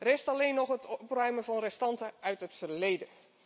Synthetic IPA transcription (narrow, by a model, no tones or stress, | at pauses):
rɪstaleːnːɔxətɔprœɥməvɔnrɛstɑntəœɥtətfərleːdə